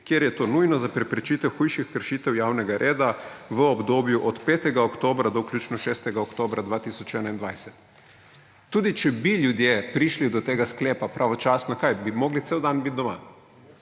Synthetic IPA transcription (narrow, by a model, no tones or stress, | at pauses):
kjeɾjɛt̪oːnujnɔzapɾɛpɾɛt͡ʃit̪ɛwxujʃixkəɾʃiːt̪ɛwjaːwnɛɡaɾʔeːd̪aʋəɔbd̪oːbjuʔɔt̪peːt̪ɛɡaokt̪oːbɾad̪ɔkljuːt͡ʃnɔʃɛst̪ɛɡaokt̪oːbɾad̪ʋaːt̪isɔt͡ʃɛnaind̪ʋajsɛt̪ː | uːd̪it͡ʃɛbiljud̪jepɾiʃlid̪ɔt̪eːɡaskleːpapɾʔaʋɔt͡ʃaːsnɔkajbimoːɡlit̪seːwd̪anbit̪̚d̪ɔma̰